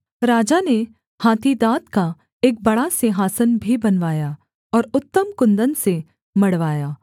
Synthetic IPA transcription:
ɾaːd͡ʒane | haːt̪ʰid̪aːt̪ka | eːk̚bɐɽaseɦaːsənbʱibɐnʋaːja | ɔːɾʊt̪ːəmkʊ̃nd̪ənse | mɐɽʋaːjaː

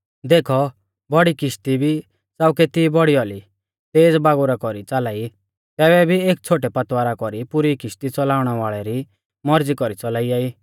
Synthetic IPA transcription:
d̪eːkʰɔ | bɔɽikɪʃt̪ibʱi | saːʊkɛt̪ibɔɽiɔli | t̪eːd͡zbaːɡuɾakɔɾit͡salaːi | t̪ɛːβɛbʱieːk̚t͡sʰoːʈɛpɐt̪waːɾakɔɾipʊɾikɪst̪it͡sɔlaːʊɽ̃ɛʋaːɭɛɾi | mɔɾd͡zikɔɾit͡sɔlaːiaːiː

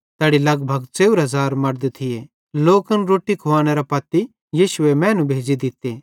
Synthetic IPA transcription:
t̪ɛːɽilɐɡbʱɐɡt͡seːuɾɦɐzaːɾmɐɾd̪t̪ʰɪje | loːkɐnɾoːʈːikʰoaːneɾapɐt̪i | jiːʃʊemɛ̃ːnũbʱeːd͡ʒid̪ɪt̪ːeː

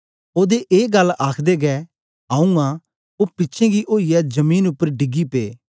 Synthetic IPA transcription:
oːd̪eʔeːɡɐlːaːkʰd̪eɡɛː | ãːũã | oːpɪtːʃʰẽɡiʔoːijɛd͡ʒɐmĩːnʊpːəɾɖɪɡipḛː

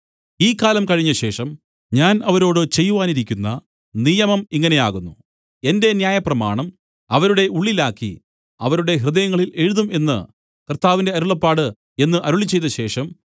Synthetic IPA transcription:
iːkːaːlɐmkɐɻiɲːɐɕe̞ːʂɐm | ɲaːnɐʋɐɾo̞ːɽɨt͡ɕe̞jːuʋaːniɾikʲːunːɐ | nijɐmɐmiŋːɐne̞jaːɣunːu | e̞nde̞njaːjɐprɐmaːɳɐm | ɐʋɐɾuɽe̞ʔuɭːilaːkːḭ | ɐʋɐɾuɽe̞ɦrɨðɐjɐŋːɐɭile̞ɻuðume̞nːɨ̰ | kɐrt̪aːʋinde̞ɐɾuɭɐpːaːɽɨ | e̞nːɨʔɐɾuɭit͡ɕːe̞jt̪ːɐɕe̞ːʂɐm

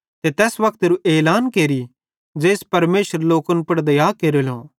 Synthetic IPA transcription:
t̪et̪ɛːsʋɐkʰt̪ɾuʔeːlaːnkeːɾi | d͡ʒeːspɐɾmeːʃəɾloːkənpɐɽd̪ɐjaːkeːɾelõ̰ː

